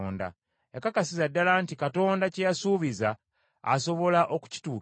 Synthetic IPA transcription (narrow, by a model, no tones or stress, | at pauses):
nda̰ | jakakasizadːalaːntikato̞ːndacejasuːβiza̰ː | so̞βo̞laʔo̞ku̥ci̥tuː